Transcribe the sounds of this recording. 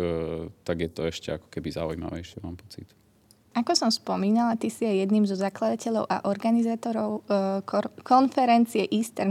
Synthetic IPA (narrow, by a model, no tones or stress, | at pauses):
t̪aɡjɛt̪ɔɛʃcɛakɔ̥kɛbiza̰ujma̰ʋɛ̰jʃɪɛmaːmpɔt͡sit̪ | ʔakɔsɔmspɔmiːnalat̪isiajɛd̪niːmzɔzaklad̪acɛʎɔʊʔa̰ʔɔɾɡanizaːt̪ɔɾɔʊ | kɔnfɛɾɛnt͡siɛʔist̪ɛɾ